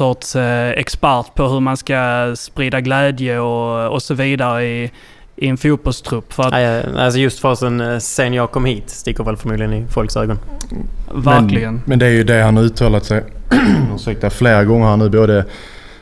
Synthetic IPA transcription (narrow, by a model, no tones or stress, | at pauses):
ɔtsɛ̰kspæɾt̪pʰɔɦɵɾmanskaspɾiːd̪aɡlɛːd̪jəɔɔsɔviːd̪aɾəɪ | ʔɪɛnfuːt̪̚b̥ɔlst̪ʰɾɵpːfœɾaa̰ls̬ɔjɵst̪fɑsənsenjɑːɡ̚kʰɔmːhiːt̪st̪ɪkːəɾvɛlfœɾmuːd̪lɪɡənɪfɔlksøːɡɔn | væɾklɪɡənmɛnd̪ɛæɾjɵd̪ɛhanhaɾʉ̟ːt̪ʰɑːlat̪sɛjʉːɛk̚t̪afleːɾaɡɔŋːəɾhanʉ̟ːboːd̪ə